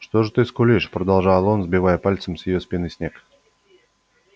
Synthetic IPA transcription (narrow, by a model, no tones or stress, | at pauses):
ʂt̪oʐɨt̪ɨskʊlʲiʂpɾəd̪alˠʐajəlˠonzbʲɪvajəpalʲt̪səmsʲjɪjosʲpʲinɨsʲnʲek